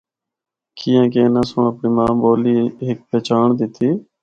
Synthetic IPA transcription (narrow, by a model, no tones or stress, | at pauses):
kiːãːk̬eːnãːsʊɳəpɳiːmãːboːliːeɦɪk̚pɛːt͡ʃaːɳd̪ɪt̪ʰiː